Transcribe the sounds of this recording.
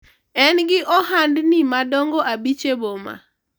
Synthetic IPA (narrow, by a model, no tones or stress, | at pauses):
ɛnɡɪʔɔɦandnimadɔŋɡoʔabit͡ʃeboma̰